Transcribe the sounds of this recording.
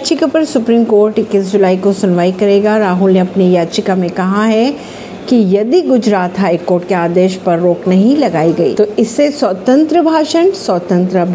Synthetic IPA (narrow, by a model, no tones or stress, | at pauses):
t͡ʃɪkapɐɾsʊpɾiːmkoːɾʈɪkːis̬d͡ʒʊlaːikosʊnʋaːikɐɾeːɡaɾaːɦʊlneɐpnijaːd̪t͡ʃɪkamẽkɐɦaɦɛ | kijɐd̪iɡʊd͡ʒɾaːt̪ɦaːikoːɾʈ̚keaːd̪eːʃpɐɾːoːknɐɦĩlɐɡaːiɡɐḭːt̪oɪsːeswɐt̪ə̃nt̪ɾəbʱaːʃənsɐt̪ə̃nt̪ɾəbʱ